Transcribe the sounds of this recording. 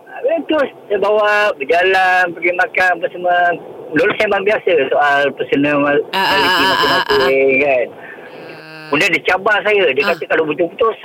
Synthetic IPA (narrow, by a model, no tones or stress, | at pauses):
abat̪ʊssabawaʔbəd͡ʒalanpəɡimakanap̬asəməəlolosembaŋbiasəsoʔalpəsənəmamalikimakinateŋkan | undandit͡ʃabaʔs̬ajədiəkat̪əkalobut̪̬uput̪ʊs